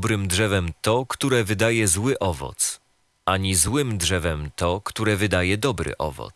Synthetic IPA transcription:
bɾɘmdʐɛvɛmt̪ɔkt̪uɾɛvɘd̪ajɛzwɘʔɔvɔ̰t̪s | ʔaɲizwɘmdʐɛvɛmt̪ɔkt̪uɾɛvɘd̪ajɛd̪ɔbɾɘ̰ʔɔ̰vɔ̰t̪s

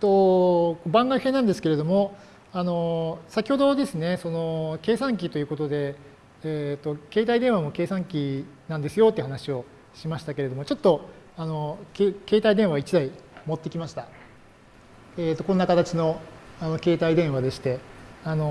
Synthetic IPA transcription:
t̪o̞kobãŋɡaɸenãnd̪esɨ̥ke̞ɾe̞d̪o̞mo̞ | ano̞sakʲi̥ho̞d̪o̞d̪e̞sɨne̞so̞no̞ke̞ːsãŋk̬ʲit̪o̞jiɯ̟ko̞t̪o̞d̪e̞ː | t̪ːo̞ke̞ːt̪aid̪ẽ̞ɰ̃βamo̞ke̞ːsãŋkʲinãnd̪e̞sɨjo̞t̪eiɯhanaɕio̞ | ɕimaɕi̥t̪ake̞ɾe̞d̪o̞mo̞t͡ɕot̪ːo̞ | ano̞keke̞ːt̪aid̪ẽ̞ɰ̃βaβit͡ɕid̪aimo̞t̪ːekʲimaɕi̥t̪a | eːt̪ːo̞kõnːakat̪at͡ɕino̞ano̞ke̞ːt̪aid̪ẽ̞ɰ̃βad̪e̞ɕi̥t̪e̞ano̞

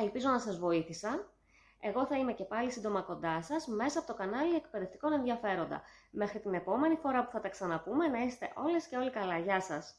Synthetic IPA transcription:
elpizo̞nɐsɐzvo̞iθisɐ | e̞ɣo̞θɐime̞cepɐlisind̪o̞mɐko̞nd̪ɐsɐzme̞sɐɐpo̞t̪okɐnɐliek̚pe̞ðe̞ft̪i̥ko̞ne̞nðiɐfe̞ɾo̞nd̪ɐ̰me̞xɾit̪ine̞po̞me̞nifo̞ɾɐpu̥θɐt̪ɐksɐnɐpume̞nɐiset̪e̞̰ʔo̞le̞sce̞o̞likɐlɐʝɐsɐs

